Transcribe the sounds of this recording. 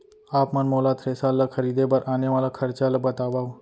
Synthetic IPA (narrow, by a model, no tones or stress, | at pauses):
aːpmɐnmoːlaːt̪ʰɾeːsaːlːakʰəɾiːd̪ebəɾʔaːneʋaːlakʰɐɾt͡ʃalabɐt̪aːʋaːo